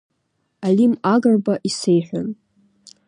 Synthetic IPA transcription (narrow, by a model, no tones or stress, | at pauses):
alimaɡərbaʔisejħʷᶣan